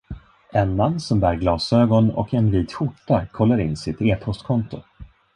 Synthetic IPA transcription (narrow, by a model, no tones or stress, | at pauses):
ʔɛnːanːsɔmbæːɾɡlɑːsøːɡɔnɔ̰kɛnviːt̪ɧʊʈːakʰɔlːaɾɪnːsɪt̪eːpʰɔst̪kʰɔnt̪ʊ